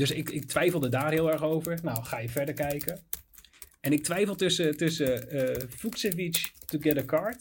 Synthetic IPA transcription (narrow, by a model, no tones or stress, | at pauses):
dɵsɪkɪk̚tʋɛjfəlˠdədaːrɦɪːlˠɛɹχowvəɹnawχaːjəvɛɹdəɹkɛjkə | ɛnɪk̚tʋɛjfəlˠtsətɵsəfuksəvit͡ʃtuɡɛdəkɑɹt